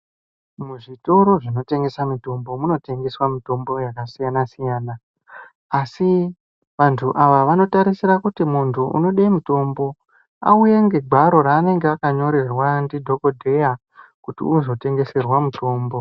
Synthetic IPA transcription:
muʐito̞ɾo̞ʐino̞te̞ŋɡe̞samito̞mbo̞muno̞te̞ŋɡe̞swamito̞mbo̞jakasijanasijaːnaː | si | ʋantʰuʔaʋaʋano̞taɾisirakutimuntʰuʔṵno̞ɗemuto̞mbo̞ | a̰uje̞ŋɡe̞ɡʱwaɾo̞ɾaːne̞ŋɡeakaɲo̞ɾe̞rwandidʱo̞ko̞dʱe̞ja | kutḭuzo̞te̞ŋɡe̞se̞rwamuto̞ːmbo̞

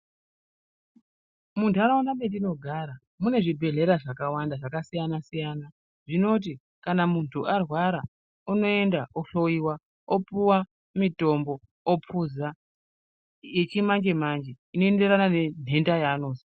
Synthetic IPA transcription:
muntaɾaunaɓediino̞ɡʱaɾa | mune̞ʐibʱe̞ɮe̞ɾaʐakawandaʐakasijanasijana | ʐino̞t̬i | kanamuntʰuarwaɾa | uno̞e̞ndaʔoɬo̞iwa | opuwa | mito̞mbo̞ː | pʰuza | jet͡ʃimaŋd͡ʒe̞mand͡ʒe | ino̞ende̞ɾanane̞n̤e̞ndajaːno̞ːsi̥

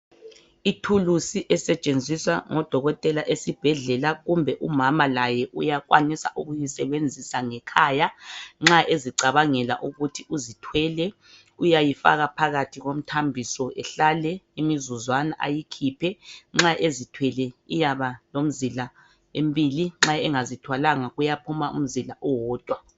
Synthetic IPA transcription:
itʰulusiʔɛsɛt͡ʃʼend͡zʱiswa̰ŋɔd̥ʱɔɣɔtʼɛlaʔesib̥ʱɛɮɛlaɣumbʱɛʔumamalajɛʔujakwa̰nisa̰ʔuɣujisɛβend͡zʱisaŋɛkʰaːjaŋ͡ǁaʔeziǀaβaŋɛla̰ʔuɣutʰiʔuzitʰwɛlɛ | ujajifa̰ɣapʰaɣatʰiɣom̩tʰambʱisɔɛɬalɛimizuzwanaʔa̰jikʰipʰɛŋ͡ǁaʔezitʰwɛlɛijaβalom̩zila | embʱiliŋ͡ǁaɛŋazitʰwalaŋaɣujapʰumaṵm̩zilaʔɔwɔːd̥ʱwa

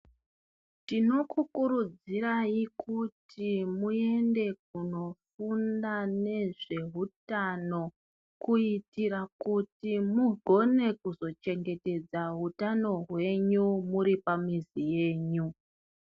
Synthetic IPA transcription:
tino̞kukuɾud͡ziraikʰutʰimue̞nde̞k̚uno̞fundane̞ʐe̞ɦutano̞ | kuitirakutimuɡʱo̞ne̞kuzo̞t͡ʃe̞ŋɡe̞te̞d͡zaɦutano̞ɦwe̞ɲumuɾipamizije̞ːɲu

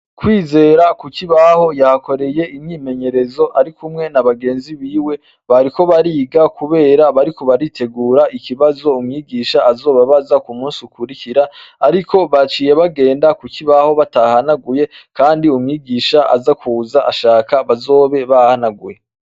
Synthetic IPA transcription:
kwiːze̞ːɾakukiβaho̞jahako̞ɾe̞je̞imɲiːme̞ɲe̞ɾe̞zo̞ʔaɾikʰumŋe̞naβaɡe̞ːnziβiːwe̞ | βaɾiko̞βaɾiːɡakuβe̞ːɾaβaɾikoβaɾitʰe̞ɡuːɾaʔikiβazo̞umŋiːɡiːʃaʔːzo̞ːβaβazakumuːnsiukuɾikiɾaːɾikʰo̞βat͡ʃiːje̞βaɡe̞ːndakukiβaho̞βatahanaɡuje̞kaːndiumŋiːɡiːʃaʔa̰zakuzaʔaʃaːkaβazo̞ːβe̞βahanaɡuje̞

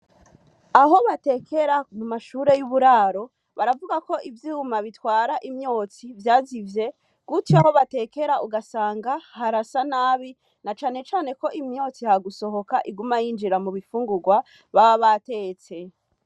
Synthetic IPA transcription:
aɦo̞βate̞kʰe̞ɾamumaʃuːɾe̞juβuɾaːɾo̞ | βaɾavuɡako̞ʔivjiːumaβitwaːɾaʔimɲo̞ːt͡sivjaːzivje̞ | ɡ̥utiaho̞βate̞ke̞ɾauɡasaːŋɡahaɾasanaːβi | nat͡ʃaːne̞t͡ʃaːne̞ko̞ʔimɲo̞ːt͡sihaɡuso̞ɦo̞kaʔiɡumajiːnd͡ʒiɾamuβifuːŋɡuɡwa | βaβaβate̞ːt͡se̞

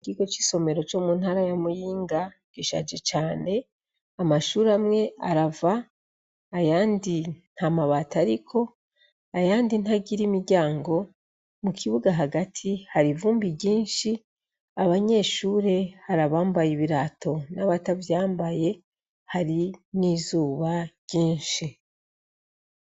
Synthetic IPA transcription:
kiko̞t͡ʃi̥so̞me̞ɾo̞t͡ʃo̞muːnhaɾajamujiːŋɡa | ɡ̥iʃa̰d͡ʒe̞t͡ʃaːne̞ | amaʃuːɾamŋe̞ʔaɾavaː | jaːndin̥hamaβaːtaɾikʰo̞ | ajaːndinhaɟiɾimiɾɟaːŋɡo̞ | mukʰiβuɡaɦaɡatʰihaɾivuːmbibɟiːnʃi | aβaɲe̞ʃuːɾe̞haɾaβaːmbajiβiɾatʰo̞naβatavjaːmbaje̞ | haɾiniːzuːβaɟiːnʃi

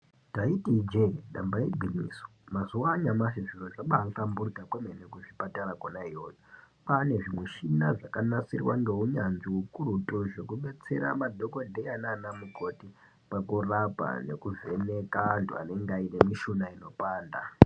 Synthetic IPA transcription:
taitid͡ʒeɗambaibʱinḭːsu̥mazuwaɲamaʐiʐiroʐaɓaːŋkamburɡakwemenekuʐipataɾakonaijo̞ːjo | pane̞ʐimweʃinaʐakanasirwa̰ŋɡe̞uɲanʐiukurutoʐe̞kuɓe̞t͡se̞̰ɾa̰madʱoko̞ndejananamuko̞ti | pakurapa̰ne̞̰kuve̞nekantua̰ne̞ŋɡaine̞miʃunaino̞paːnda

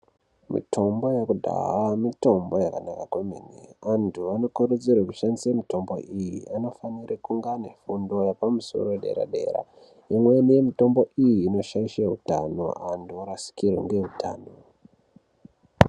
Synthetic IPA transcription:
mḭtʰo̞mbo̞jakudʱa̰ɦamito̞mbo̞jakanakakweminḛʋantʰuʋano̞koɾud͡zirwekuʃanisemito̞mbo̞̰ʔijḭʔano̞fanirikuŋɡane̞fundo̞japamuso̞̰ɾo̞ɗe̞̰ɾa̰ɗe̞̰ɾa̰ | imwe̞nije̞mito̞mbo̞ʔijiːno̞ʃaiʃeutano̞̰antʰuoɾasi̥kirḛŋɡe̞utʰaːno̞

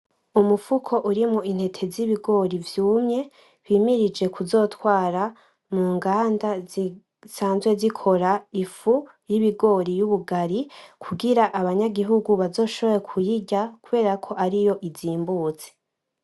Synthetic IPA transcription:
umufukʰo̞ʔuɾimŋoin̥he̞tʰe̞ziβiɡo̞ɾivjuːmɲe̞ | βiːmiɾid͡ʒe̞kuzo̞ːtwaːɾa | muːŋɡaːndazi | saːnzɡwe̞zikʰo̞ɾaifu | jiβiɡo̞ːɾijuβuɡaɾikʰuɡiɾaʔaβaɲaɡiɦuɡuβazo̞ːʃo̞βojekʰujiɟakuβe̞ːɾakʰo̞ʔaɾijo̞ʔiziːmbuːt͡se̥

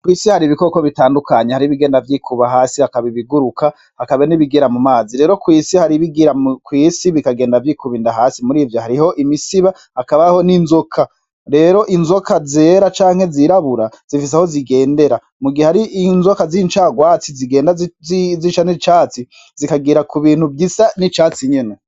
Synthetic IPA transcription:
kwiːsihaɾiβiko̞ːko̞βitaːndukaɲehaɾiβiɡe̞ːndavjikʰuβaɦaːsihakaβiβiɡuɾukʰa | hakaβeniβiɡiɾamumaːziɾe̞ːɾo̞kwiːsihaɾiβiɡiɾakwiːsiβikaɡe̞ːndavjikuβindaɦaːsimuɾiːvjohaɾiho̞ʔimisiβa | hakaβaho̞ninzo̞kʰa | ɾe̞ːɾo̞ʔinzo̞kʰazeːɾat͡ʃaːŋhe̞ziɾaβuɾaz̥ifis̬eho̞ziɡe̞ːnde̞ɾa | muɡihehaɾiʔinzo̞kazint͡ʃaɡwaːt͡siziɡe̞ːndaziʃanit͡ʃaːt͡si | zikaɡiːɾakuβiːnhubɡisanit͡ʃaːt͡siɲene̞

